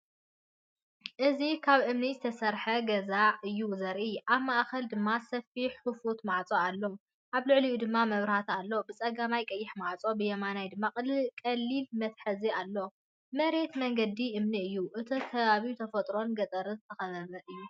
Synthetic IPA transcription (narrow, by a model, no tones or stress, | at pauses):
ʔɨzikʰaβʔɨmnizɨt̪ʰɐsɐɾħɐɡɐzaʕʔɨjːuzɐɾʔiʔaβmaʔxɐld̪ɨmːasɐfiħːufut̪maʕt͡sʼoalːo̞ | ʔaβlɨʕliud̪ɨmːamɐβɾhat̪ʰalːo̞bɨt͡sʼɐɡamajkʼɐjːɪħmaʕt͡sʼo̞bɨjɛmanajd̪ɨmːakʼɨlkʼɐlːilmɐt̪ħɨzialːo̞ | mɐɾe̞t̪mɐŋɡɐd̪iʔɨmniɨjːuʔɨt̪ʰɐkʰɐβaβiut̪ʰɐfɐt̪ʼɾo̞nɡɐt̪ʼɐɾɨnzɨt̪ʰɐxɐβɐβɐʔɨjːu